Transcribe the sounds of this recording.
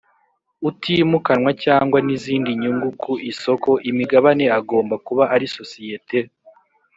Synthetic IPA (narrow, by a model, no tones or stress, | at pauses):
utʰimukanwacaːŋɡwaniziːndiɲuŋɡukʰuʔiso̞ko̞ʔimiɡaβane̞aɡo̞ːmbakuβaʔaɾiso̞sijetʰe̞